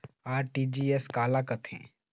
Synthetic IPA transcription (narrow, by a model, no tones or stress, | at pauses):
aːɾʈiːd͡ʒiːeskaːlaːkɐt̪ʰḛ̃ː